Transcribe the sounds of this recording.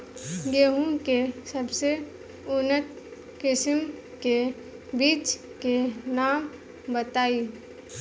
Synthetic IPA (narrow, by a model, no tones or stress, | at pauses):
ɡeɦũkesəbse | ʊnət̪ | kɪsɪm | ke | biːt͡ʃ | kenaːm | bət̪aːiː